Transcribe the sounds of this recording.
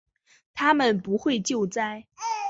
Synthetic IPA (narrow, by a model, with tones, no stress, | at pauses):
t̪ʰa˥mə˨npu˧˥xwe˥˧ɪt͡ɕjo˥˧ʊt͡sa˥˧ɪ